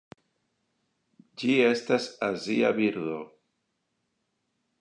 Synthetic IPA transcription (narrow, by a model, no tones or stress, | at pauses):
d͡ʒie̞stasazia̰biɾdo̞